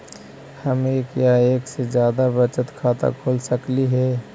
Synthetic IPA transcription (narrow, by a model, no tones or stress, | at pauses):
həmeːkjaeːksed͡ʒjaːd̪abət͡ʃət̪kʰaːt̪a̰kʰoːlsəkliɦɛː